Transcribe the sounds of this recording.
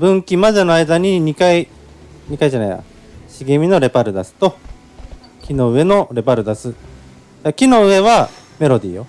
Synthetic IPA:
bɯ̟̃ŋkʲimazenoaid̪aɲ̟iɲ̟ikai | ɲ̟ikaiʑana̰ja̰ | ɕiɡemʲino̞ɾe̞paɾɯ̟d̪asɨ̥t̪o̞ | kʲino̞ɯ̟e̞no̞ɾe̞baɾɯ̟d̪asɨ | d͡ʑakʲino̞ɯ̟e̞βa | me̞ɾo̞d̪ʲiːjo

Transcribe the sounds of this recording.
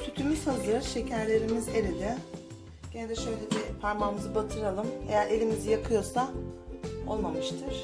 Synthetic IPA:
t̪ʰyt̪ʰymysazˠɯɯɾʃe̞cʰæɾlʲe̞ɾimize̞ɾid̪ʲɪ | ɟ̥ened̪ɛʃøjlʲedipʰaɾmamɯzɯbat̪ʰɯɾalˠɯme̞̰jæɾe̞lʲimizijakʰɯjo̞sa | o̞̰lˠmamɯʃt̪ʰɯɾ̥

